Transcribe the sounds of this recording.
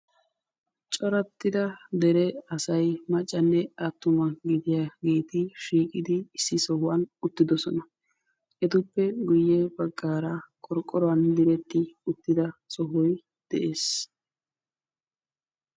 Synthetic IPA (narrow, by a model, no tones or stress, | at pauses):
t͡ʃʼɔɾɐt̪ːɪd̪ɐd̪ɛɾɛɐsɐjmɐt͡ʃʼːɐnːɛɐt̪ːʊmɐɡɪd̪ɪjaɡiːt̪ɪʃiːkʼɪd̪ɪɪsːɪsɔhʊwɐnʊt̪ːɪd̪ɔsɔnɐ | ɛt̪ʊpːɛɡʊjːɛbɐɡːaːɾɐkʼɔɾkʼːɔɾɔwɐnd̪ɪɾɛt̪ːɪʊt̪ːɪd̪ɐsɔɦʊj | d̪̥ɛʔe̞ːs